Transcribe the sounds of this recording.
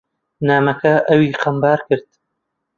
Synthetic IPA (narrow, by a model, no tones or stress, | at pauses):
naːmɐkʰɐʔɐwiːqɐmbaːɾkɨɾd̪̥̚